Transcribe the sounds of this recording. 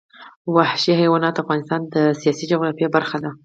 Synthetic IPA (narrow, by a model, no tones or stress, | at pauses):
wahʃihajwɑnɑt̪afɣɑnɪst̪ɑnd̪əsijɑsid͡ʒʊɣɾɑfjebaɾxad̪a